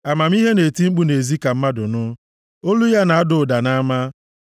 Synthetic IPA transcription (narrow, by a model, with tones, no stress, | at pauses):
a˨ma˨m˦i˦ɦe˦ne˨ti˦ŋ͡m̩˦k͡pu˦ne˨zi˦ka˨m̩˦ma˦dʊ˨nʊ˦ | o˦lu˦ja˦na˨a˦dʊ˨da˨na˦ma˦